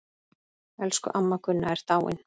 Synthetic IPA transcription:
ɛlskʏ̰ʔamːakʰʏnːaɛɾ̥t̪aːwɪ̰n

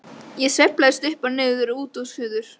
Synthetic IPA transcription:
jɛsɛplajðst̪ʏhpanɪːɣðʏɾuːt̪ɔwshʏːðʏɾ̥

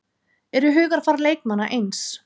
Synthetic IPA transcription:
ɛɾʏɦʏːɣaɾ̥faɾleːjk̚manːaʔejns

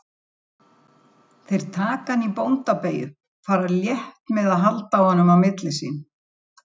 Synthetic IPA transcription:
θejɾ̥t̪ʰaːkanipownt̪apeːjʏ̰ | faːɾaljɛht̪mɛðaðɦalt̪awhɔnːʏmawmɪt̪lɪsḭːn

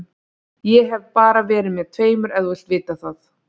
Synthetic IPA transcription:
jɛɦɛvpaːɾavɛːɾɪðmjɛð̥t̪ʰveːjmʏɾɛðuɛl̥t̪vɪːt̪aθaθ

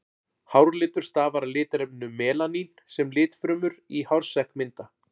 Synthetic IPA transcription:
hawɾlɪːt̪ʏɾ̥st̪aːvaɾalɪːt̪ɾɛpnʏmɛːlaninsɛmlɪːt̪fɾʏːmʏɾihawɾ̥sɛhkmɪnt̪a

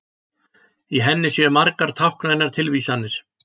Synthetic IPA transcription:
iɦɛnːɪsjɛmaɾkaɾ̥t̪ʰahkɾajnaɾ̥t̪ʰɪlviːsanːɪɾ̥

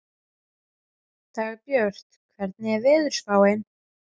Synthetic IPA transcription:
t̪ʰaːɣpjœɾ̥t̪kʰvɛɾt̪nɪɛvɪðʏɾ̥svaːwɪn

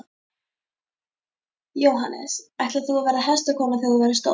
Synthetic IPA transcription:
jowɦanːɛ̰sɛht̪laθuavɛːɾaɦɛst̪akʰɔːmaθiðuvɛɾʏst̪o̰

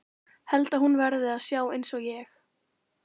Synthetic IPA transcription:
hɛlt̪aðhunvɛɾðɪaðsjaːwejnsɔɣjɛx

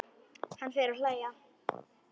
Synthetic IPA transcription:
hanfɛːɾalaːja

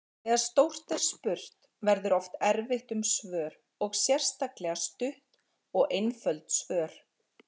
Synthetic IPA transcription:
θɛːɣaðst̪owr̥t̪ɛɾ̥spʏɾ̥t̪ | vɛɾðʏɾɔft̪ɛɾvɪht̪ʏmsvœːɾ | ɔɣsjɛr̥st̪aklɛɣast̪ʏht̪ | ɔɣʔejnfœlt̪svœːɾ̥

